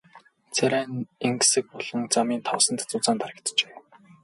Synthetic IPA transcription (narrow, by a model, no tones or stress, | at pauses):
t͡sʰæɾæːneŋksɘ̆k̚pɔɮ̥ɞ̆ŋt͡samiːnt̪ʰɔwsə̆nt̪t͡sʊt͡saːnt̪ʰaɾə̆kt̪t͡ɕeː